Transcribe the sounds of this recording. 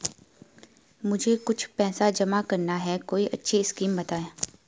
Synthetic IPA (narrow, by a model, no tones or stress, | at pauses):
mʊd͡ʒʱekʊt͡ʃʰpɛːsad͡ʒɐmakɐɾnaɦɛkoːiʔɐtːʃʰiɪskiːmbɐt̪aːẽː